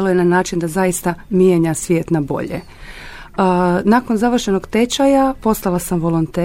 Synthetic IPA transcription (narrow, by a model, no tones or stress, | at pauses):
lojenanaːt͡ʃind̪azajist̪amijeɲasʋjeːt̪nabo̞̰ʎḛ | naːko̞nzaʋr̩ʃe̞noɡt̪e̞t͡ʃajapo̞st̪alˠasamʋo̞lont̪eː